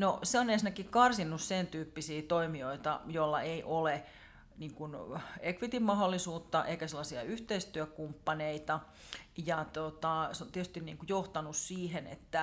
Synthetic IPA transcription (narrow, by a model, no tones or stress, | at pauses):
noseonensinækikkɑrsinːussent̪yːpːisiːt̪oimioit̪ɑ̰jolːɑ̰eiʔole | niːŋkunekʋit̪immɑholːisuːt̪ːɑʔeikæselːɑsiɑyht̪eist̪yøkumpːɑneit̪ɑ | jɑt̪ot̪ɑseont̪iet̪ys̆t̪innḭːŋkujoht̪ɑnussiːhenḛt̪ːæ